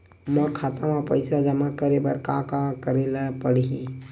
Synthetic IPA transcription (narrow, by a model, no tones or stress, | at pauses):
mə̃kʰaːt̪ãmapəɪsad͡ʒɐmakəɾebəɾkãkakəɾelapəɽiɦĩ